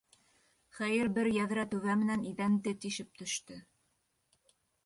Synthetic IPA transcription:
χæjɘɾbɘɾjæðɾæt̪ʉβæmɘ̆næniðænt̪ɘt̪iʃɘp̚t̪ɵ̆ʃt̪ɵ

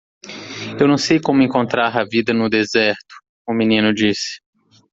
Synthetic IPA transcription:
ewnɐ̃w̃sejkõmʊẽŋkõnt̪ɾaɾɐvid̪ɐnʊd̪ezɛɾt̪ʊ̥ | ʊminĩnʊd͡ʒisɪ̥

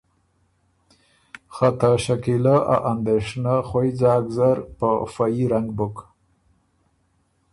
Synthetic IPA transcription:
xat̪aʃakilaʔa̰ʔand̪eʂnaxojd͡zɑːɡzaɾpəfajiɾaŋɡbʊk

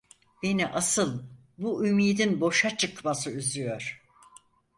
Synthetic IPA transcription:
be̞niʔasɯlˠ | buymiːd̪inbo̞ʃat͡ʃʰɯkmasɯyzyjoɾ̥

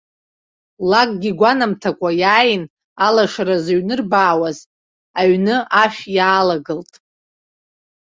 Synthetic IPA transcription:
lakʼɡʲiɡʷanamtʰakʷʼajaːjɪn | alaʂaɾazaɥnɨrbaːwaz | aɥnɨʔaʃᶣjaːlaɡɨltʼ

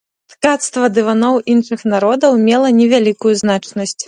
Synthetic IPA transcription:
t̪kat̪st̪vɐd̪ɨvanɔwʔinʂɨxn̪aɾɔd̪ɐwmʲɛlˠɐnʲɛvʲalʲikujuznat͡ʂnɐsʲt͡sʲ

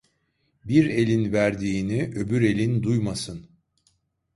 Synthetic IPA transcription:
biɾe̞lʲinvæɾd̪iːniʔø̞byɾe̞lʲind̪ujmasɯn

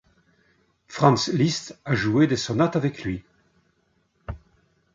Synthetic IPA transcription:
fʁɑ̃nslist̪aʒued̪esɔnat̪avɛkʰlɥi

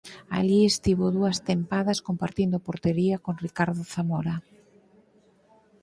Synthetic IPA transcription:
a̰ʎiest̪iβoðuɐst̪empaðɐskompaɾt̪ind̪ʊpoɾt̪eɾiɐkoŋrikaɾðʊθamɔɾa

